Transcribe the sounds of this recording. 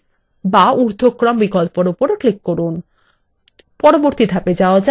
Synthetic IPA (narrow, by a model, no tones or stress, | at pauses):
bauɾd̪ʱokːɾɔmbikɔlpoɾupoɾeklikːoɾun | pɔɾoboɾt̪id̪ʱaped͡ʑaoad͡ʑa